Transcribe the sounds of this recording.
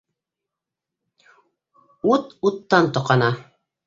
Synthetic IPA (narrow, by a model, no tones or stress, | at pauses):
ut̪ut̪ːɑnt̪oqɑnɑ